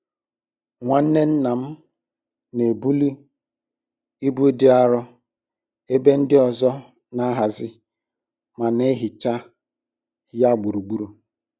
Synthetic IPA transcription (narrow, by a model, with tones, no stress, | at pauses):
ŋʷa˨n̩˦ne˦n̩˦na˨m̩˦ | ne˨bu˦li˦ | i˦bu˦e˦dɪ˦a˦ɾɔ˦ | e˦be˦n̩˦dɪ˦ɔ˨zɔ˦ | na˦ɦa˨zɪ˦ | ma˨ne˦ɦɪ˨t͡ʃa˦ | ja˦ɡ͡bu˨ɾu˨ɡ͡bu˦ɾu˨